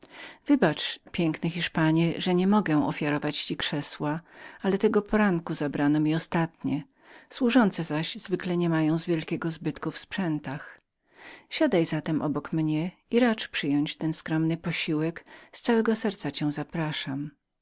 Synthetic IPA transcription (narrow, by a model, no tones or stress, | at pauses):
v̥ɘbat͡ʂpʲjɛŋknɛxʲiʂpaɲɛʐɛɲɛmɔɡɛw̃ɔ̰fʲjaɾɔvat͡ɕt͡ɕikʂɛswaalɛt̪ɛɡɔpʰɔɾaŋkuzabɾanɔmʲiɔst̪at̪ɲɛ | swuʐɔnt̪sɛzaɕz̥vɘklɛɲɛmajɔ̃w̃zvʲjɛlkʲɛɡɔzbɘt̪kufspʂɛnt̪ax | ɕad̪ajzat̪ɛmʔɔ̰bɔkmɲɛiɾat͡ʂpʂɘjɔɲt͡ɕt̪ɛnskɾɔmnɘpɔɕiwɛkst̪sawɛɡɔsɛɾt̪sat͡ɕɛ̃w̃zapɾaʂam